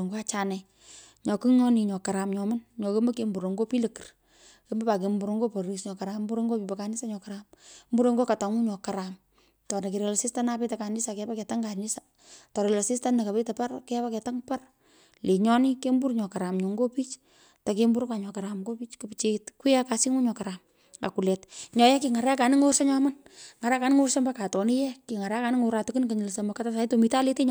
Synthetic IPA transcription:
ŋɡo˦a˦t͡ʃa˨nɛ˨ | ɲɔ˨ki˦ŋɔ˦ni˨ɲɔ˨ka˨ɾa˨mɲɔ˨ma˦nɲɔ˨ke˦mə˦ke˦mbu˨ɾo˨ŋɡo˦pi˦lə˨ki̥˨r | ke˦ma˦pa˨ke˨mbu˨ɾo˧ŋɡo˦po˨ɾi˨sɲɔ˨ka˨ɾa˨mbu˦ɾo˦ŋɡo˦pi˨pɛ˨ka˨ni˦sa˦ɲɔ˨kaɾammbu˦ɾo˧ŋɡo˦ka˨ta˨ŋu˦ɲɔ˨ka˨ɾa˨m | tɔ˨na˨ke˨ɾe˨la˨si˦sta˦nape˦ta˨ka˨ni˦sa˨kɛ˧pa˦kɛ˨ta˦ŋɡa˨ni˦sa | tɔ˨ɾe˨la˨si˦sta˦nːa˨ka˨pe˦ta˨pa˦rke˦pa˦kɛ˨ta˦ŋpa˦r | le˨ɲɔnike˦mbu˦rɲɔ˨kaɾa˨mɲo˨ŋɡo˦pi˦t͡ʃ | ta˨ke˦mbu˦ɾkwa˨ɲɔ˨kaɾa˨mɡo˦pi˦t͡ʃku˨pt͡ʃetkwi˦akasi˦ŋu˦ɲɔ˨kaɾam | a̰˨ku˨lɛ˨tɲɔ˨jɛ˦ki˨ŋa˨ɾɛ˦a˦ka˨nɪ˦ŋo˦rse˦ɲɔmanŋa˨ɾɛ˦ka˨nɪ˦ŋo˦rse˦mbaka˨tɔ˨ni˦jɛ˦ki˨ŋa˨ɾɛ˦a˦ka˨nɪ˦ŋo˨ɾa˨tku˦nka˨ɲɪ˨lsamakata˦sa˨i˦tomita˦lete˦ɲ

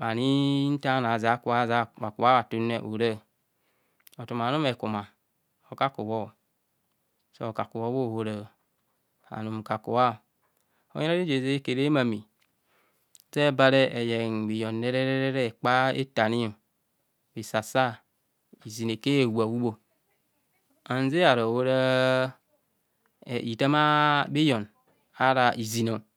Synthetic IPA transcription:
ba˨ni˦n̩˦ta˦n˨a˨za˨˦ku˦a˦za˦wa˨ku˨a˦wa˨tu˦ne˦˨ʔo˨ɾe˦˨ | o˨tu˨ma˨nu˦me˨ku˨ma˨ | o˨ka˦ku˨wo˦˨ | so˨o˨ka˨ku˨wo˦wo˦˨ho˨ɾo˨ | a̰˨nu˨m˨ka˨kṵ˨wa˦˨ | o̰˨˦e˦ɾa˦i˦d͡ʒe˨ze˦e˦ke˨ɾe˦ma˨mi˨ | se˦ba˦ɾe˦ʔe˨je˨ŋbi˨jo˨nːe˦ɾe˦ɾe˦ɾe˦ɾe˦˨k͡pa˦ḛ˦ta˨ni˦o˨ | bi˨sa˨sa˦ | i˨zi˨n˨e˨ke˦e˨wu˨a˨wu˦bo˦˨ | a˨n˦ze˦a˨ɾo˨wo˦ɾa˦˨ | i˨ta˦ma˦bi˦jo˨n | a˦ɾa˨ʔi˨zi˨no˨

